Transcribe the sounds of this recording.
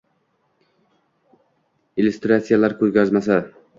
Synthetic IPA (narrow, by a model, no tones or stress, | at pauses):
ilʲust̪ɾat̪sijalaɾkʰɵɾɡʲazmasa